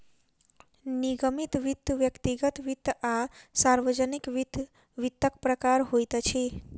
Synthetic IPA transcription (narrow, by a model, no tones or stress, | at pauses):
niɡəmit̪ʋit̪ːʋjəkt̪iɡət̪ʋit̪ːasaɾʋəd͡ʒənikʋ̪ | ʋit̪ːəkpɾəkaɾɦojt̪ət͡ʃʰe